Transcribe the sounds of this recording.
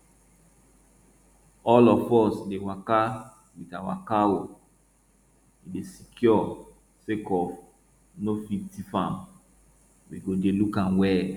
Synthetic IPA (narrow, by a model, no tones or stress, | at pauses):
ɔlɔfɔsdewaka | witawa̰kao | idesi̥kʰjɔ | sekɔf | nofitifãm | wiɡodelukãnwɛ